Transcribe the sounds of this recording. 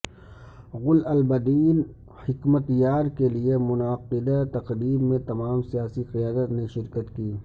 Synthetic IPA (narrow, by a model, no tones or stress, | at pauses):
ɣʊlɐlbɐd̪iːn | hɪkmət̪jaːɾkeliemʊnaːqɪd̪at̪ɐqɾiːbmẽt̪ɐmaːmsijaːsiqɪjaːd̪ət̪neʃɪɾkət̪kiː